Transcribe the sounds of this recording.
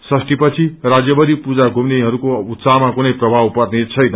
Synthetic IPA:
sʌsʈipʌt͡sʰirad͡zjʌbʌɾipud͡zaɡʱumneɦʌɾukout̪saɦmakunʌjprʌbʱawpʌrnet͡sʰʌjnʌ

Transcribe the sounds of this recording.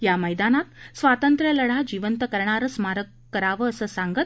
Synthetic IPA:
jaməjd̪anat̪sʋat̪ənt̪ɾjələɽ̤ad͡ʑiʋənt̪əkəɾɳaɾəsmaɾəkːəɾaʋəːsəsãŋɡət̪̚

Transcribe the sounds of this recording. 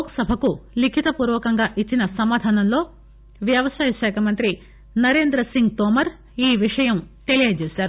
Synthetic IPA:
oːkɐsɐbʱɐkulikʰit̪ɐpuːɾʋɐːkɐŋɡaːʔit͡ʃːinɐsɐmaːd̪ʱaːnɐnlo̞ː | ʋjɐʋɐsaːjɐʃɛːkʰɐmɐnt̪ɾi | nɐɾe̞ːnd̪ɾɐsiŋɡt̪oːmɐɾ | iːʋiʂɐjɐmt̪elijɐjt͡ʃeːsaːɾu

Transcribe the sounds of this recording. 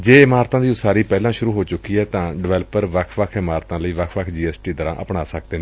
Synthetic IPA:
d͡ʒeːɪmaːɾt̪ãːd̪iːʊsaːɾiːpɛːlãːʃʊɾuːɦoːt͡ʃʊkːiːɦɛːt̪ãːɖɪʋɛːləpəɾʋəkʰʋəkʰɪmaːɾt̪ãːləiːʋəkʰʋəkʰd͡ʒiːɛːsʈiːd̪əɾã̰ːʔəpɳaːsək̚ʰd̪eːnː

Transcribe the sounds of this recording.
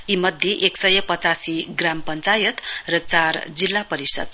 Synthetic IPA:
imʌd̪ʱjeʔeksʌjʌpʌt͡sasiɡrampʌnt͡sajʌt̪rʌt͡sard͡zilːapʌɾisʌ̰d̪̚

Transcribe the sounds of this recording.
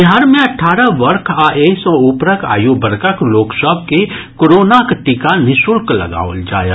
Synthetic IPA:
ɦaːɾmẽɐʈʰːaːɾəʋəɾkʰaʔeːsɔ̃ʊpɾəkʰa̰ːjobəɾkəkloːksəbʱke | koɾoːnakʈɪkanɪsʊlklɐ̰ɡa̰ːʋə̰ld͡ʒa̰ːja

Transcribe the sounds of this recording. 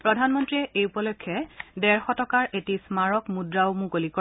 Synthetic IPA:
pɹɔdʱanmɔntɹiɛʔejupɔlɔjkʰːjɛdɛɹxɔtɔkaɹʔetismaɹɔkmudɹaʊmũkolikɔ

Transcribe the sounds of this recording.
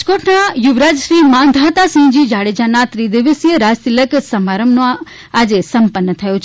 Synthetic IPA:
d͡ʒkoːʈnajuʋɾaːd͡ʒʃɾiːmãnd̪ʱaːt̪asĩɦd͡ʑiːd͡ʒaːɽed͡ʒanãt̪ɾid̪iʋəsjəɾaːst̪iləksɐmaːɾəmnõ | aːd͡ʒesɐmpənːət̪ʰɐjot͡ʃʰ

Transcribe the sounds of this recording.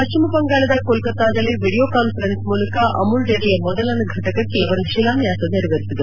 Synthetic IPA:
pɐt͡ʃimɐpɐŋɡaːlɐd̪ɐkolkɐt̪ːaːd̪ɐlːiʋiɽijoːkaːnfɐɾensmuːlɐkaʔɐmulɖeɽijɐmɔd̪ɐlɐnɐɡʱɐʈɐkɐkːeɐʋɐɾʃilaːnjaːsɐniɾʋeɾisid̪u

